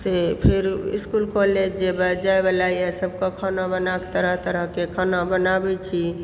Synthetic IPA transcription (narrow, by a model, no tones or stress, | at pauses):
sepʰeɾḭskulkoled͡ʒd͡ʒebad͡ʒaebalajɛsəb̚kɔkʰənabənake̥t̪əɾəɦt̪əɾəɦkekʰənabənabɛt͡ʃʰi